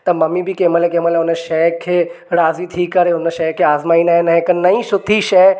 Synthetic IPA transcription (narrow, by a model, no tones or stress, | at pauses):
t̪ɐmɐmːibʱikeːməlekeːməleʊneʃɛːkʰːe | ɾaːzit̪ʰiːkːɐɾeʊnəʃɛːkʰːeaːzmaːinaɦẽnɐɦẽkənɐĩʃʊt̪ʰiʃɛː